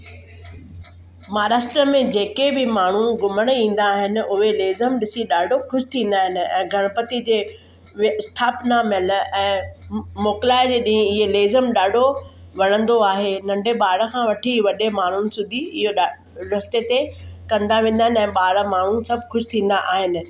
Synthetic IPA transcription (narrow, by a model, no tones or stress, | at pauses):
maːɾaːʃʈɾəmẽd͡ʑeːkebɪmaːɳ̤uɡʊməɽ̃ĩːn̆d̪aːɦɪnɪ̆ʊɦeleːzəmɗɪsiɗaːɖʱoxʊʃɪ̥t̪ʰĩːn̆d̪aːɦɪn̆ɛ̰̃ːɡʱɐɽ̃əpət̪id͡ʑeː | ʋɪst̪ʰaːpnamɪlɛ̃ːmoːklaːɪd͡ʑeːɗĩːɪɦeleːzəmɗaːɖʱoʋɐɽ̃ə̃nd̪oaːɦenɐ̃ɳɖʱeɓaːɽəkʰãʋɐʈʰiʋɐɗemaːɳ̤ʊnɪ̆sʊd̪ʱiɪɦoɗ | ɾɐst̪et̪ekɐ̃nd̪aʋẽːn̆d̪aːɦɪnɛ̃ːɓaːɽmaːɳ̤ũsɐbʱxʊʃɪ̥t̪ʰĩːnd̪aʔaːɦɪnɪ̆